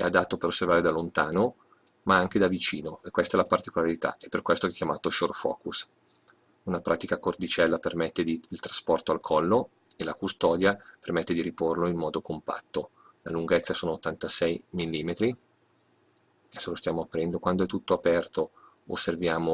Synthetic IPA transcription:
ɛ̰ad̪at̪ːopeɾosːervaːɾed̪alont̪aːno | maaŋk̟ed̪avit͡ʃiːnoekːwest̪aɛlapart̪ikolaɾit̪a̰ʔepːerkwɛst̪oɛkːjamaːt̪oʃorfɔ̰ːkus | unapɾʔa̰ːt̪ikakort̪it͡ʃɛlːapermɛt̪ːed̪iilt̪ɾaspɔrt̪oalkʰɔlːo | elakust̪ɔːd̪japermɛt̪ːed̪iɾiporloimːɔːd̪okompa̰t̪ːo | la̰luŋɡɛt̪sːasoːnoot̪ːant̪asɛjmilːiːmet̪ɾi | ɛsːolost̪jaːmoapːɾɛnd̪okwand̪oɛt̪ːut̪ːoapɛrt̪o | o̰sːervjaːmo

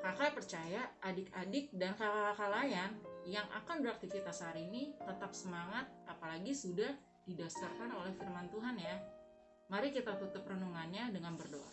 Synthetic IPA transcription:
kakajpərt͡ʃajaʔadɪkadɪk̚dankakaakalajanjaŋʔa̰kanbɾak̚t̪ikit̪asaɾinit̪ət̪ap̚səmaŋat̪̚apalaɡisudah | didast̪arkanolɛhfirmant̪uɦanja | maɾikit̪at̪ut̪ʊprənuŋanɲadəŋanbərdoʔa̰

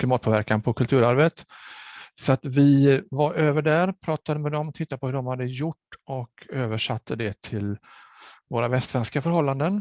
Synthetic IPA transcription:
kʰlɪmɑːt̪pʰoːvæɾkanpʰɔkʰɵlt̪ʰʉːɾaɾvət̪ | sɔat̪vɪvaɾøːvəɖæɾpʰɾɑːt̪ad̪əmɛd̪ɔmt̪ʰɪt̪ːapʰɔhɵɖɔmhad̪ːəjʊʈːɔkʰøːvəʂat̪ʰːəd̪ɛt̪ʰɪl | voːɾavɛst̪vɛnskafœɾɦɔlːand̪ən

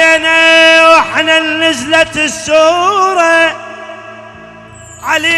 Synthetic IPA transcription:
anawɪħnanːɪzlat̪sːuːɾˤɑ | ʕali

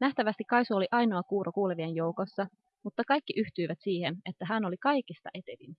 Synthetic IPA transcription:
næht̪æʋæst̪ikːɑjsuoliʔɑjno̞ɑkuːɾʔokuːleʋienjo̞wko̞sːɑ | mut̪ːɑkɑjkːiʔyht̪yjʋæt̪siːhe̞ne̞t̪ːæɦæno̞likɑjkist̪ɑ̰ʔe̞t̪e̞lin

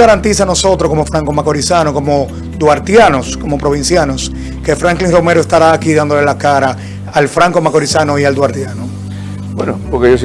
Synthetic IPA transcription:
ɣaɾant̪isano̞so̞t̪ɾokomofɾaŋkomakoɾisanoko̞mo | d̪waɾt̪janosko̞mo̞pɾoβ̞ĩnsjanos | ke̞fɾaŋkliŋrome̞ɾoest̪aɾaːkiðand̪ole̞lakaɾaː | lfɾaŋkomako̞ɾisanoiald̪waɾt̪jano | bwenopoɾkejos̬

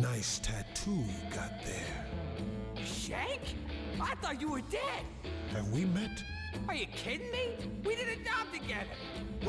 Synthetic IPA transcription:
naɪstʰætʰujɡɑ̰t̪̚ðə̰˞ | ʃẽɪkaɪθɔt͡ʃəwə˞dɛd̥ | ɨ̃nwimɛt | ə˞jɨkʰɪdⁿnmiwidɪdⁿn̩ɨdɑp̚tɨɡɛðə̰˞

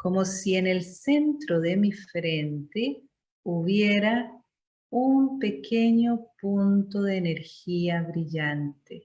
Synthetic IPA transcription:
ko̞mosiene̞lse̞nt̪ɾoðe̞mifɾent̪e | uβjeɾa | umpe̞kʰeɲopunt̪oðeːne̞ɾxiaβɾiʎant̪e

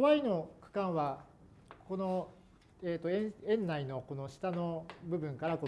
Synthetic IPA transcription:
oβaino̞kɯ̟̥kãɰ̃βa | ko̞no̞ | eːt̪o̞ẽẽ̞nːaino̞ko̞no̞ɕi̥t̪ano̞bɯ̟bɯ̟̃ŋkaɾako

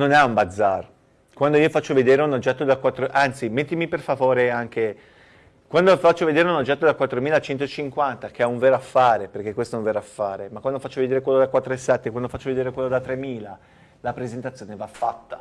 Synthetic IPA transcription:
nonɛumbad̪zːar | kwand̪oiːofat͡ʃːoved̪eːɾeunod͡ʒːɛt̪ːod̪akwat̪ːɾoʔant̪simet̪ːimiperfavoːɾeaŋke | kwand̪ofat͡ʃːoved̪eːɾeunod͡ʒːɛt̪ːod̪akwat̪ːɾomiːlat͡ʃɛnt̪̬oet͡ʃiŋkwant̪akeauɱveːɾoafːaːɾeperk̟ekwest̪ɛũɱveːɾoafːaːɾemakwand̪ofat͡ʃːoved̪eːɾekwelːod̪akwat̪ːɾoesːɛt̪ːekwand̪ofat͡ʃːoved̪eːɾekwelːod̪at̪ːɾemːiːla | lapɾezent̪at̪sːjoːnevafːat̪ːḁ

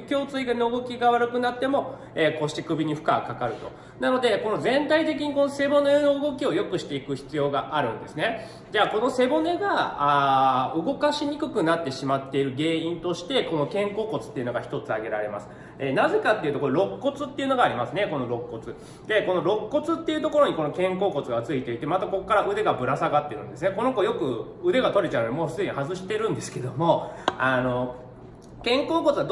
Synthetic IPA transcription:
kʲo̞ːt͡sɨiɡanooɡo̞kʲiɡaβaɾɯ̟kɯ̟nat̪ːe̞mo̞ | eːko̞ɕt͡ɕikɯ̟bʲiɲ̟iɸɯ̟kakakaɾɯ̟t̪o̞ | nano̞d̪e̞ko̞no̞zẽ̞nt̪ait̪e̞k̬ʲiɲ̟iko̞no̞se̞bo̞ne̞no̞ɯɡo̞k̬ʲio̞jo̞kɯ̟ɕi̥t̪e̞ikɯ̟çi̥t͡sɨjo̞ːɡaʔaɾɯ̟̰̃nd̪e̞sɨne̞ | d͡ʑaːko̞no̞se̞bo̞ne̞ɡaaɯɡo̞kaɕiɲ̟ikɯ̟kɯ̟nat̪ːe̞ɕimat̪ːe̞iɾɯ̟ɡe̞ːĩnt̪o̞ɕi̥t̪e̞ko̞no̞kẽ̞ŋko̞ːko̞t͡sɨ̥t̪ːeiɯ̟no̞ɡaçi̥t̪o̞t͡sɨaɡe̞ɾa̰ɾe̞̰ma̰sɨ̥ | enaze̞kat̪ːeiɯ̟t̪okoɾo̞kːo̞t͡sɨt̪ːe̞iɯ̟no̞ɡaːɾʲimasɨne̞ko̞no̞ɾo̞kːo̞t͡sɨ | d̪̥e̞ko̞no̞ɾo̞kːo̞t͡sɨt̪ːe̞iɯ̟t̪o̞ko̞ɾo̞ɲ̟iko̞no̞kẽ̞ŋko̞ːko̞t͡sɨɡat͡sɨit̪e̞it̪e̞mat̪ako̞kːaɾaʔɯ̟d̪e̞ɡabɯ̟ɾasaɡat̪ːeɾɯ̟̃nd̪es̬ɨneko̞no̞ko̞jo̞kɯ̟ | ɯ̟d̪e̞ɡat̪o̞ɾet͡ɕaɯnoimo̞ːfɯ̟t͡sːɲ̟ihazɨɕi̥t̪e̞ɾɯ̟̃nd̪e̞sɨ̥ke̞d̪o̞mo̞ano̞ | kẽ̞ŋko̞ːko̞t͡sɨβad̪

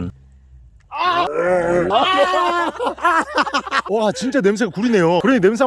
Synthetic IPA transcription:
a | ʌat͡ɕint͡ɕ͈ane̞ms̬ʰeɡakuɾine̞jokɯɾʌɲine̞ms̬ʰa

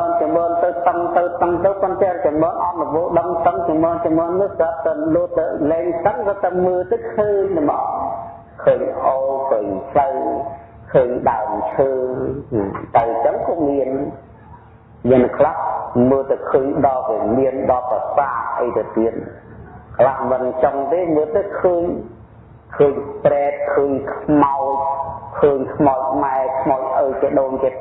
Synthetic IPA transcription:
mɔːnt͡ɕɑmɓɔːnt̪əwt̪əŋt̪əwt̪əŋt̪əwpont̪aɛt͡ɕamɓoːnʔɑt̪̚nuʋoːʔɗəŋt̪əŋt͡ɕɑmɓɔːnt͡ɕamɓɔːnːɨəhsət̪əluət̪ɨlɛːŋt̪əŋkɑːt̪əwməːt̪əwkʰəːɲnəmɑː | kʰəːɲʔokʰəːɲtʰləw | kʰəːɲɗaəmt͡ɕʰəːnat̪awt͡ɕəŋkɔːmiən | miənːkʰlahməːlt̪awkʰəːɲɗɑlʋiəmiənɗɑpasaːʔʔəjt̪awt̪iət̪̚kʰlahmɨnt͡ɕoŋt̪eːməːlt̪akʰəːɲ | kʰəːɲprɛːt̪̚kʰəːɲkʰmaʊc̚kʰəːɲkʰmaɔc̚ʰmaɛkʰmaʊc̚ʔət͡ɕiɗoːnkiət̪̚

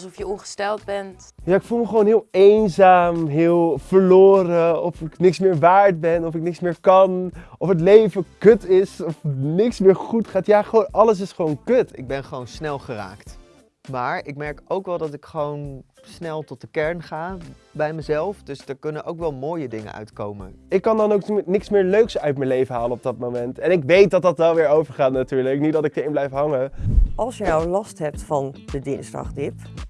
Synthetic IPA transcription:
sɔfjəɔŋχə̥stɛlˠd̚bɛnt | jaːɪkfulˠməχəʋownɦɪːlˠejnzaːmɦɪːlˠv̥əɹloːɾəɔfɪknɪksmɪːɹʋaːɹt̚bɛnɔfɪk̚nɪksmɪːɹkɑnɔfɦət̬lejvəkøtɪsɔfnɪksmɪːɹχutχaːtjaːχoʔɑləs̬ɪsχəʋownkøtɪ̰ɡ̚bɛnχəʋownsnɛlˠχəra̰ːkt | maːɹɪk̚mɛɹkowkʋɛlˠdɑtɪkχəʋownsnɛlˠtɔt̚dəkɛɹnχaː | bɛjməzɛlˠfdɵsdəɹkɵnənʔowkʋɛlˠmoːjədɪŋə̰nœ̰ɥtkowmə̰nɪkːɑndɑnowknɪksmɪːɹløɥksœɥtməlejvəɦaːlənɔb̚dɑtmomɛntɛnɪkʋejt̚dɑtdɑtʋɛlˠʋɪːɹowvəɹχaːtnatyːɹləknit̚dɑtɪk̚dəɪnblɛjfɦɑŋəʔɑlˠsjənawlɑstɦɛp̚tfɑnd̥ədɪnsdɑ̰χdɪp

